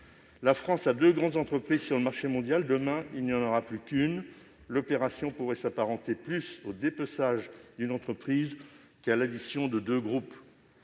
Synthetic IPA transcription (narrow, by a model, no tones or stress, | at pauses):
lafχɑ̃sad̪øɡʁɑ̃d̪zɑ̃t̪χəpχizsyʁləmaʁʃemɔ̃d̪jald̪əmɛ̃ilnijɑ̃nɔʁaplykʲyn | lɔpeʁasjɔ̃puʁɛsapaʁɑ̃t̪eplysod̪epɔsaʒd̪ynɑ̃t̪χəpχiz | kalad̪isjɔ̃d̪əd̪øɡʁup